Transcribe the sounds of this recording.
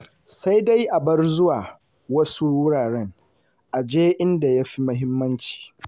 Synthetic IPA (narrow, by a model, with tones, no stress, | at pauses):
sa˦jda˦jʔa˨bɐ˦rzʊ˦waː˨ | wɐ˦su˦wʊ˦ɽaː˨ɾɛ˦ŋ | ʔa˨d͡ʒeː˦ʔɪ˦nda˨ja˦ɸi˦mɐ˦ɦɪ˦mːɐ˦nt͡ʃi̥ː˨